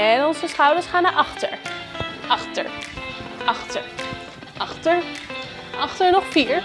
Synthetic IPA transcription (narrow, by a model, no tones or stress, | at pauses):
ɛnɔnzəsχʌwdəɹsχaːnaʔɑχtə̰ɹʔɑχtə̰ɹ | ɑχtəɹ | ʔɑχtəɹ | ʔɑχtəɹnɔχfiːɹ